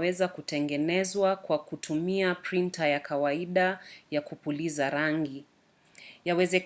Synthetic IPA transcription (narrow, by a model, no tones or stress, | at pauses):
wɛzakutɛŋɡɛnɛzwakwakutʰumiapɾintajakawaiɗajakupulizaɾaŋɡi | jawɛzɛk